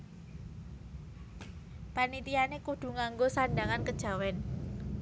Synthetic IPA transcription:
panit̪ianekuɖ̥ṳŋaŋɡosaɳɖaŋankəd̥ʒ̥a̤wɛn

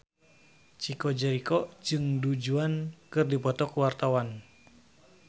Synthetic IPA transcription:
t͡ʃikɔd͡ʒəɾikɔd͡ʒɨŋdud͡ʒuankɨrdipɔt̪ɔkuwart̪awan

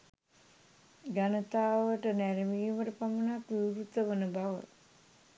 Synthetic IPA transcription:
ɡanət̪aːʋəʈənæɾemiːuʋəʈəpamənakʋiwɾut̪ːəʋənəbaʋə̰

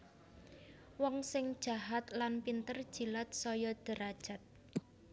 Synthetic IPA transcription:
wɔŋsɪŋd̥ʒ̥a̤ɦat̪lanpint̪ərd̥ʒ̥ilat̪̚sɔjɔd̪̥ə̤ɾad̥ʒ̥a̤t̪̚

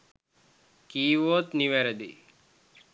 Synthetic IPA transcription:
kiːʋoːt̪niʋeɾəd̪ḭ

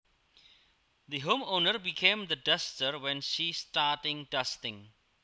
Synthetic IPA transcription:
d̪iɦõːmõːnəɾbikʰẽːmd̪əɖʌstəɾwɛ̃nʃisʈaːʈɪ̃ŋɖʌstɪ̃ŋ

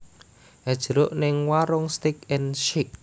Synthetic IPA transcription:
ʔɛd̥ʒ̥əɾʊʔnɪŋwaɾʊŋst̪ɪkɛnʃik̚

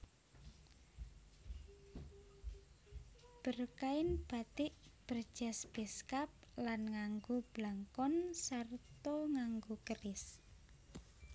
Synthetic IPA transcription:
b̥ərkaɪnb̥a̤t̪ɪʔb̥ər̥ʒ̥a̤sb̥ɛskap̚lanŋaŋɡob̥laŋkɔnsart̪oŋaŋɡokərɪs

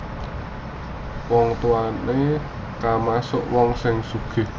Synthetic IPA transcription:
wɔŋt̪uane | kamasʊʔwɔŋsɪŋsuɡ̥e̤

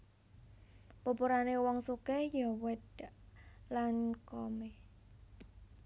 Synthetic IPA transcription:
pupuɾanewɔŋsukejɔwɛt̪ | lankɔme

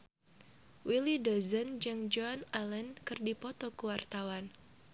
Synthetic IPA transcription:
wilidɔzənd͡ʒɨŋd͡ʒɔanalənkɨrdipɔt̪ɔkuwart̪awan

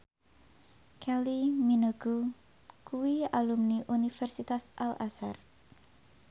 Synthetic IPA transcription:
kʰɛliminəɡ̥u | kuwialumniʔunifɛrsit̪asʔalʔasa̰r

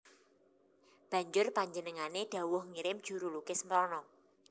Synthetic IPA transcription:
b̥ä̤ɲd͡ʒʊrpaɲd͡ʒənəŋaneɖ̪̥a̤wʊhŋiɾɪmd̥ʒ̥ṳɾulukɪsməɾɔnɔ

